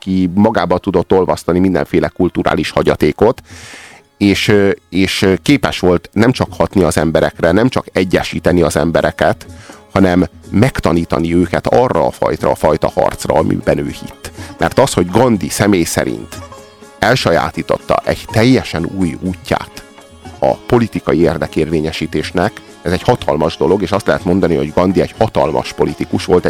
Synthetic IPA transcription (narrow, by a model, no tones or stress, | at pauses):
kimɒɡaːbɒt̪ud̪o̞t̪ːo̞lvɒst̪ɒnimind̪ɛ̰ɱfeːlɛkult̪uɾa̰ːliʃhɒɟɒt̪eːko̞t̪ | eːʃeːʃkeːpɛʃʋo̞lt̪nɛmt͡ʃɒkhɒt̪niɒzɛmbɛɾɛkrɛnɛmt͡ʃɒkɛɟːɛʃiːt̪ɛniɒzɛmbɛɾɛkɛt̪hɒnɛmːɛkt̪ɒniːt̪ɒ̰niøːkɛt̪ɒrːɒːfɒ̰jt̪ɒːfɒjt̪ɒhɒ̰rt̪srɒɒmʔḭbɛnøːhḭt̪ːmʔɛrt̪ɒsho̞ɟɡɒnd̪isɛmeːjsɛ̰ɾḭnt̪ | ɛlʃɒja̰ːt̪iːt̪o̞t̪ːɒ̰ʔɛɟt̪ɛjːɛʃɛnuːjuːcːa̰ːt̪ | ɒ̰po̞lit̪ikɒjieːrd̪ɛkeːrveːɲɛʃiːt̪eːʃnɛk | ɛzɛɟhɒt̪ɒlmɒʒd̪o̞lo̞ɡeːʃɒst̪lɛɦɛt̪mo̞nd̪ɒniho̞ɟɡɒnd̪iɛɟhɒt̪ɒlmɒ̰ʃpo̞lit̪ikuʃʋo̞lt̪ɛ